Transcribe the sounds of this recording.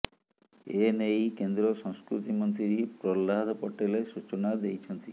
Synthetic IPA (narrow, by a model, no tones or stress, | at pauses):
enejkend̪ɾɔsɔŋskɾut̪imɔnt̪ɾiɾipɾɔlːad̪ʱɔpɔʈelesut͡ʃɔnad̪ejt͡ʃʰɔnt̪i